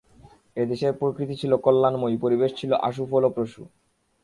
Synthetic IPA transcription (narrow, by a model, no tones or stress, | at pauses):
ed̪eʃeɾpɾokɾit̪it͡ɕʰilokolːanmojpoɾibeʃt͡ɕʰiloʔa̰ʃ̬ufʰolopɾoʃu